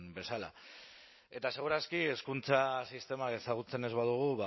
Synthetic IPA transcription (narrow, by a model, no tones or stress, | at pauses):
be̞sala̰ | e̞t̪ase̞ɣ̞uɾaskie̞skunt͡sasist̪e̞mae̞saɣ̞ut͡se̞ne̞zβaðuɣ̞uβa